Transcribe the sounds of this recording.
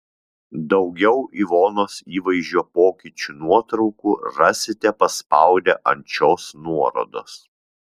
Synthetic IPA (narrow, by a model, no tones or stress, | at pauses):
d̪ɒʊɡʲɛʊʔiʋoːnoːsiːʋɐɪʒʲuːpoːkʲiˑt͡ʃʲunuɔt̪ɾɒʊkuːɾɑsʲɪt̪ʲɛpɐspɑˑʊd̪ʲɛʔɐnʲt͡ʃʲoːsnuɔɾo̰ːd̪o̰ːs